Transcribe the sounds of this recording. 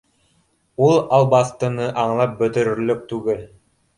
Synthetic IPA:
ulˠɑlˠbɑst̪ɤ̆nɤʔɑɴlˠɑp̚bɵ̆t̪ɵ̆ɾɵ̆lɵk̚t̪ʉɡɘl

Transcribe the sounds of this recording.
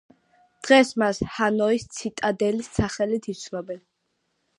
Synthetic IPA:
d̪̥ʁɛsmashanɔist̪sʰit̪ʼad̪ɛlisːaχɛlit̪ʰit̪sʰlɔbɛn

